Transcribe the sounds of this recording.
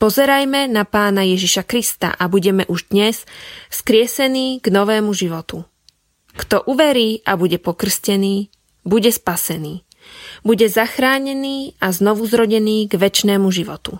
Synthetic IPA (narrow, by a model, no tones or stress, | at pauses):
pɔzɛɾajmɛnapaːnajɛʒiʃakɾist̪a̰ʔabuɟɛmɛʔuʒd̪ɲɛsskɾɪɛsɛniːɡ̥nɔʋɛːmuʒiʋɔt̪u | kt̪ɔʔuʋɛɾiːʔabuɟɛpɔkr̩scɛniː | buɟɛspasɛniː | buɟɛzaxɾaːɲɛniːaznɔʋuzɾɔɟɛniːɡʋɛt͡ʃnɛːmuʒiʋɔt̪ṵ